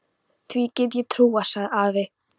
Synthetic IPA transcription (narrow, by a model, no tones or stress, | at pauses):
θvicɪt̪jɛt̪ʰɾuːasaɾavɪ